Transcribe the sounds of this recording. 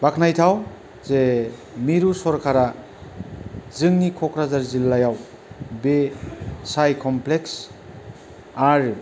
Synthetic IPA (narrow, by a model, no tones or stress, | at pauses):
bakʰnajtʰaw | ze | miɾusɔɾkʰaɾa | zɯŋnikʰɔkɾazaɾzilːajaw | besajkʰɔmpleks | aɾ